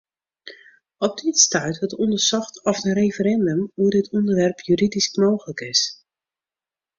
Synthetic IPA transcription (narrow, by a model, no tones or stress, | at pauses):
ɔp̚ditstaɥtɔtɔndərsɔxtʰɔfərejfəɾɛndəmuədɪtʰundərʋɛrpʰjyridiskmoːxələkɪs